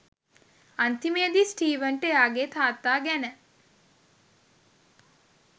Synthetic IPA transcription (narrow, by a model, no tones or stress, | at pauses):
ant̪iməjəd̪isʈiːʋəɳʈəjaːɡeːt̪ʰaːt̪ːaːɡænə